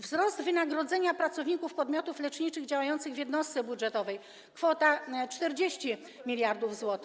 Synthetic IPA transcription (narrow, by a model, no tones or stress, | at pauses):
vzɾɔsd̪vɘnaɡɾɔd̪zɛɲapɾat̪sɔvɲikufpɔd̪mʲjɔt̪uflɛt͡ʂɲit͡ʂɘɣd͡ʑawajɔnt̪sɘɣvʲjɛd̪nɔst̪sɛbudʐɛt̪ɔvɛj | kfɔt̪at͡ʂt̪ɛɾd͡ʑeɕt͡ɕi | mʲilʲjaɾd̪uvzwɔt̪